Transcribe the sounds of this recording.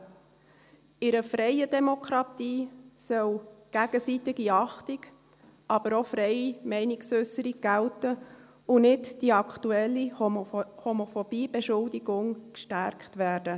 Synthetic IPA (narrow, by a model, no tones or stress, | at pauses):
ɪɾəfɾɛɪədɛmokʰɾɑtiːsœlɡ̥æɡ̥əsit̪ɪɡiɑχtɪk | ʔɑb̥əɾofɾɛɪimɛɪnɪksʏsəɾiɡ̥æltə | ʊnɪtd̥iɑktuɛlːi | homofɔb̥iːb̥eʃʊldiɡʊŋkʃtæɾkχtʋæːɾd̥ə